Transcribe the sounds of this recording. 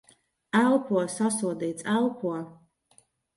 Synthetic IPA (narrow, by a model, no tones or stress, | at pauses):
ælˠpʰuɔsasuɔd̪iːt̪sælˠpʰuɔ